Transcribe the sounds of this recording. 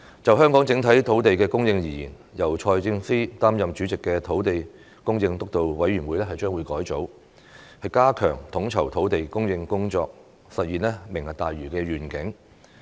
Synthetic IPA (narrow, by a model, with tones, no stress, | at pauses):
t͡sɐ˨wɦœː˥ŋkɔː˨˥ŋt͡sɪ˨˥ŋt̪ʰɐ˨˥jt̪ʰo˨˥wt̪e˨jkɛː˧kʊ˥ŋjɪ˧ŋjiː˨˩jḭː˨˩n | jɐ˨˩wt͡ʃʰɔː˧jt͡sɪ˧ŋfiː˥t̪aː˥mjɐ˨mt͡ʃy˨˥t͡sɪ˨kːɛː˧t̪ʰo˨˥wt̪e˨j | kʊ˥ŋjɪ˧ŋt̪ʊ˥k̚t̪o˨wwɐ˨˥jɥyː˨˩nwuː˨˧jlɛː˥hɐ˨jt͡ʃœː˥ŋwuː˨˧jkɔː˨˥jt͡so˨˥w | hɐ˨jkaː˥kʰœ̰ː˨˩ŋt̪ʰʊ˨˥ŋt͡sʰɐ˨˩wt̪ʰo˨˥wt̪e˨jkʊ˥ŋjɪ˧ŋkʊ˥ŋt͡ʃɔ̰ː˧k̚ | sɐ˨t̚jiː˨˩nlɛː˥mɪ˨˩ŋɐ˨t̚t̪aː˨jɥyː˨˩kɛː˧ɥyː˨˩nkɪ˨˥ŋ